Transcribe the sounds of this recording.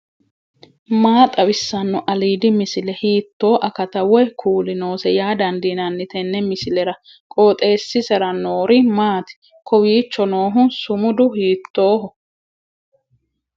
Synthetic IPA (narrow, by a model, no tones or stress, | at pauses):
maːt̪ʼɐwɪsːɐnːɔʔɐliːd̪ɪmɪsɪlɛhiːt̪ːo̞ːʔɐkɐt̪ɐwɔjkʰuːlɪno̞ːsɛjaːd̪ɐnd̪inɐnːɪt̪ɛnːɛmɪsɪlɛɾɐ | kʼoːt̪ʼe̞ːsːɪsɛɾɐnoːɾɪmaːt̪ɪ̥ | kʰɔwiːt͡ʃːɔno̞ːɦʊnsʊmʊd̪ʊhiːt̪ːo̞ːɦɔ